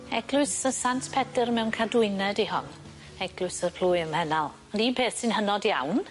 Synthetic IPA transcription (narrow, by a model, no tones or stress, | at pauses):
ɛɡ̥lˠʊɨsəsantʰpʰɛdərmɛwnkʰadʊɨnɛdihɔ̰n | ɛɡ̥lˠʊɨsərpʰl̥ʊːjəmhɛnalˠ | ɔndipʰeːθsɪnɦənɔdja̰wn